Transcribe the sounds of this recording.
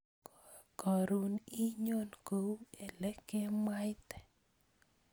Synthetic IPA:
kɔ˨ɾu˨ni˦ɲo˦nko˨u˦ɛ˨lɛ˦ke˦ma˦jt̪ɛ̥˨

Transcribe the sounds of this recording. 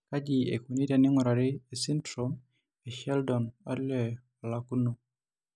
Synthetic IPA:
ka˦d͡ʒi˨ḛ˨ku˨ni˦ɾa˨nɪ˦ŋʊ˨ɾa˨ɾi˦e˨si˦ntɾɔm | e˨ʃɛ˦ldɔ˨na˦ɾlɛ | ɔ˨la˨ku˦no˨

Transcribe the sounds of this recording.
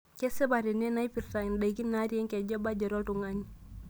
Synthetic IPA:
ke˦se˦ba˨ɾe˨ne˦na˦i˦pi˨rta˨i˨nda˨iki˦nːa˦ɾje˦ŋkɛ˨d͡ʒɔ˦ba˦d͡ʒɔ˨ɾɔ˦tu˨ŋa˦ɲi˦

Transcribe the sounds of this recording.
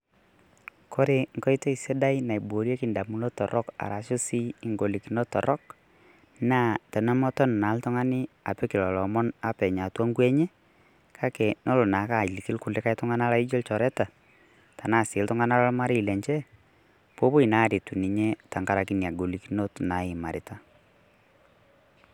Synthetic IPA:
kʰo˦ɾe˨ŋkɔ˦jto˦i˨se˦da˦jna˨i˨bo˨ɾje˦kɪ˨nda˨mu˦no˦tɔ˨ɾʔɔ˦ka̰˨ɾa˨ʃʊ˦si˦ɪ˨ŋɡo˨li˨ki˨no˦tɔ̰˨ɾʔɔ˦k | na˦tɛ˨nɛ˦mɔ˦tɔ˦n˨na˨˦ltʊ˦ŋa˦nɪ˦ | a˨pɛ˦kɪ˨lɔ˨lɔ˨mɔ˦na˦pɛ˨ɲa˨twɔ˦ŋɡwɛ˦ɲe˦ | kʰa˦kɛ˨no˦lʊ˨na˨˦ka˦˨li˨kɪ˦lkʊ˨lɪ˦ka˦ɪ˦tʊ˦ŋa˦na˦la˨i˦d͡ʒo˦lt͡ʃɔ˨ɾɛ˦ta˨ | ta˨na˦˨sɪ˨˦ltʊ˦ŋa˦na˦la˦lma˦ɾɪ˦i˨lɛ˨ɲt͡ʃɛ˦ | po˦pʊ˦i˨na˦ɾɪ˨tu˨ni˨ɲɛ˦ta˨ŋɡa˦ɾa˨ki˦n˨a˨ɡo˨li˨ki˦no˦tna˨˦ɪ˨ma˨ɾɪ˨ta˦

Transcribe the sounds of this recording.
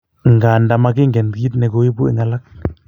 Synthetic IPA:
ŋɡa˨nda˨ma˦ki˦ŋɡɛ˨ndki˦t̪nɛ˨ko˦wi˦pu˦ɛ̰˨ŋa˨la˦k̚

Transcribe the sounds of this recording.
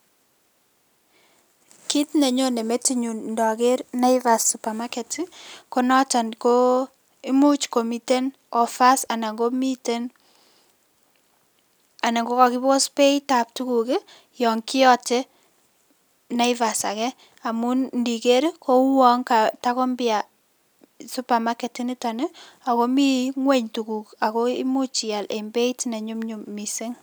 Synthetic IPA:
ki˦tne˨ɲo˦ne˨me˦ti˦ɲu˨nndɔ˨ke˦ɾna˦ɪva˨su˨pa˨ma˦kɛ˨tiko˦nɔ˦ta˨nko˦ | i˦mu˦t͡ʃko˨mi˨te˦n | ɔ˨fa˦sa˨na˨ŋɡo˦mite˦n | a˨na˨ŋɡo˦kɔ˨kɪ˦bko˦spe˦ita˨p̚tu˦ku˨kɪ˦ | jɔ˨ŋki˦ɔ˦te˦ | na˦ɪ˦va˨sa˨kɛ˦ | a˨mu˦nndi˨ke˦ɾkʰo˦ŋwɔ˦ŋka˨ta˦kɔ˦mbɪa˨ | su˦pa˨ma˦ke˨ti˦ni˦ta˨ne˦a˨ko˦mi˦ŋwe˦ɲtu˨ku˨ka˨ko˦i˦mu˦t͡ʃi˨ja˨lʔḛ˨mbe˦itne˨ɲu˦mɲu˨mːise˦ŋ

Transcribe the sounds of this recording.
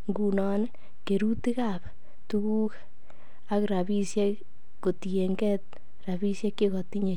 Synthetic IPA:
ŋɡunɔn | ke˨ɾu˦ti˦kap | tu˦ku˦k | a˦kɾa˨bi˦sjɛ˦ | ko˨tije˨ŋɡɛt̚ | ra˨βi˦sje˦kːe˦kɔ˨ti˦ɲe˨

